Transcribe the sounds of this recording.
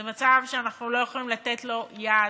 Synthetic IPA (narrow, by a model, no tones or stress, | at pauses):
mat͡savʃeanaχnulo̞jeχolimlat̪etlo̞ja